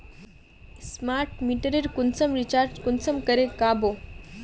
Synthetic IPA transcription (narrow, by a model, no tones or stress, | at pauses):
smaɾʈmiʈəɾeɾkunsəmɾit͡ɕaɾd͡ʑkunsəmkəɾekabo